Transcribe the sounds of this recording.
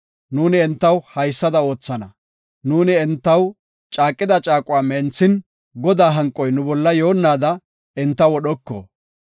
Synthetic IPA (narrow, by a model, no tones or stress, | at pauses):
nuːnɪɛnt̪ːɐwhɐjsːɐd̪ɐo̞ːt͡sːɐnɐ | nuːnɪɛnt̪ːɐw | t͡ʃʼaːkʼːɪd̪ɐt͡ʃʼaːkʼʊaːmɛnt͡sːɪn | ɡɔd̪aːɦɐŋkʼɔjnʊbɔlːɐjo̞ːnːaːd̪ɐ | ɪnt̪ːɐwɔɗɔkːɔ̰